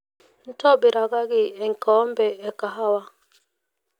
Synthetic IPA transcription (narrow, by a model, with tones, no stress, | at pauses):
n̩˦tɔ˦˨bɪ˨ɾa˨ɡa˦ɡɪ˦ɛ˨ŋ̩˨kɔː˨˦m̩˦bɛ˨ɛ˨ka˨ɦa˦wa˦